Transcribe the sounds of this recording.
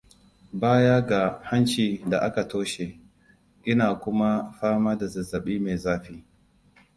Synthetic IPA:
baː˦ja˦ɡa˨ha˦nt͡ʃiː˨da˨ʔa˦ka˨toː˦ʃe˨ | ʔɪ˦naː˨kʷʊ˦ma˦ɸaː˦maː˦da˨zɐ˨zːɐ˨ɓiː˦me˨zaː˦ɸiː˦

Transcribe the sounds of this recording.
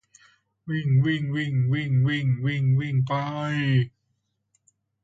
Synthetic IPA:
wi˧˩ŋwi˧˩ŋwi˧˩ŋwi˧˩ŋwi˧˩ŋwi˧˩ŋwi˧˩ŋpa˧j

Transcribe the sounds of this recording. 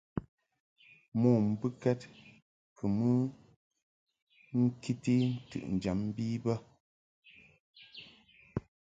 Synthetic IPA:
mɔː˨m̩˨bɨ˦kɛ˦t̚ | kʰɨ˨mɨ˦ | ŋ̩˦ki˦ti˦n̩˦tɨ̰˦˨ʔn̩˨d͡ʒa˨m̩˦biː˦bə˦

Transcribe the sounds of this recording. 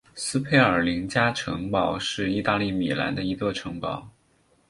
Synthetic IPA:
sɹ̩˥pʰe˥˩ɪə˞˨˩li˧˥ŋt͡ɕja˥ʈ͡ʂʰɤ˧˥ŋpɑ˨˩ʊʂɻ̩˥˧i˥˧t̪a˥˧li˥˩mi˨˩la̰˧˥nd̪ə˧i˧˥kɤ˥˩ʈ͡ʂʰɤ˧˥ŋpɑ˨˩˦ʊ

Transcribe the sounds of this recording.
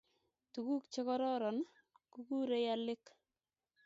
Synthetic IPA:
tu˨ku˦kt͡ʃɪ˦kɔ˦ɾɔ˦ɾɔ˨n | ku˦kuː˦ɾe˦ja˦lɪ˦k

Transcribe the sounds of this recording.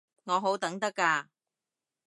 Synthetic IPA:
ŋɔː˨˧ɦo˨˥wt̪ɐ˨˥ŋt̪ɐ˥kːaː˧

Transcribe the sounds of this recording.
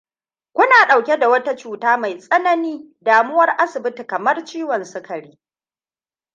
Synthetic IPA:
kʷʊ˦naː˨ɗa˨wkʲe˦da˨wɐ˦ta˦t͡ʃuː˨taː˦ma˨jsʼɐ˦nɐ˦niː˦ | daː˨mʊ˦wɐ˦rʔa˦sɪ˨bɪ˦ti˨kɐ˨mɐ˦rt͡ʃiː˦wɐ˨nsʊ˦kɐ˨ɽiː˦

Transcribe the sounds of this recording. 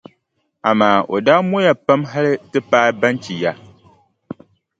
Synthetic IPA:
a˨maː˨o˨daː˦mo˦ja˨pa˦mɦa˦lɨ˦tɨ˦paː˦ba˦nt͡ʃi˨ja˦

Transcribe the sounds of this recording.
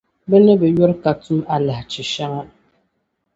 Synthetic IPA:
bɛ˦nɛ˦bɛ˨jɔ˦ɾka˨tu˦ma˨la˨ht͡ʃɪ˨ʃa˦ŋa˦

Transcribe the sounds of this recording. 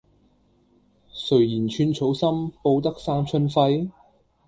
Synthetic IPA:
sɵ˨˩ɥjiː˨˩nt͡ʃʰyː˧nt͡ʃʰo˨˥wsɐ˥mpo˧wt̪̬ɐ˥k̚saː˥mt͡ʃʰɵ˧nfɐ˧j

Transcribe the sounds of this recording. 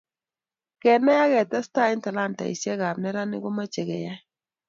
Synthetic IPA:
kɛ˨nɛ˦ja˦kɛ˨ta˦sta˦i˦nta˨la˦nta̰˨ḭ˨sɛ˦ɣa˨mnɛ˦ɾa˦nɪ̰˦ɡo˦ma˦t͡ʃe˨ɣɛ̰˨ja˦

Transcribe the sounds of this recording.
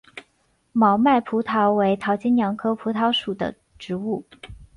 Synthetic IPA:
mɑ˧˥ʊma˥˩ɪpʰu˧˥t̪ʰɑ˧˥ʊwe˧˥ɪt̪ʰɑ˧˥ʊt͡ɕi˥njɑ˧˥ŋkʰɤ˥pʰu˧˥t̪ʰɑ˧˥ʊʂu˨˩d̪ə̰˦ | ʈ͡ʂɻ̩˧˥u˥˩

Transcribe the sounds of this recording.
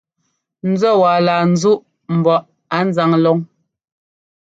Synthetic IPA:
n̩˦d͡zɔ˦waː˨laː˨n̩˨˦zu˦ʔ | m̩˨bɔ˨ʔ | a˨˦n̩˦za˨˦ŋlɔ˦ŋ

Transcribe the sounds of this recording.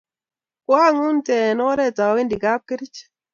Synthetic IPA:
kwa˦˨ŋu˦ntɛ˨nɔ˦ɾɛ˦˨ta˨wi˦ndi˨ka˦p̚ki˦ɾi˦t͡ʃ

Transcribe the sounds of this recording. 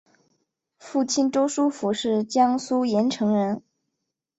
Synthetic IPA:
fu˥˩t͡ɕʰi˥˩nʈ͡ʂo˥ʊʂu˥fu˧˥ʂɻ̩˥˩t͡ɕjɑ˥ŋsu˥jɛ˧˥nʈ͡ʂʰɤ˧˥ŋɻə˧˥n

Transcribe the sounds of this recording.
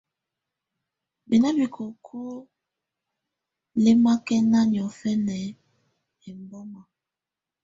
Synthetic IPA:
bi˨na˦bi˨kʰo˨kʰo˦ | le˦ma˦kɛ˦na˦njɔ˨fɛ˦nɛ˨ | ɛ˨m˨bɔ˦ma˨

